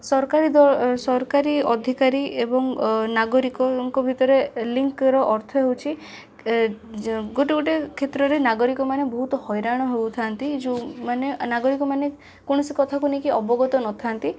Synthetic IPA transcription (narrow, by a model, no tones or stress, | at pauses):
sɔɾɔkaɾid̪ɔsɔɾɔkaɾiɔd̪ʱikaɾiebɔŋnaɡɔɾikɔŋkɔbʱit̪ɔɾeliŋkɾɔʔɔɾt̪ʰɔɦewt͡ʃʰi | ɡoʈeɡoʈekʰet̪ɾɔɾenaɡɔɾikɔmanebɔɦut̪ɔhɔjɾaɽ̃ɔɦebut̪ʰant̪id͡ʒumanenaɡɔɾikɔmane | koɽ̃ɔsikɔt̪ʰakunekiɔbɔɡɔt̪ɔnɔt̪ʰant̪i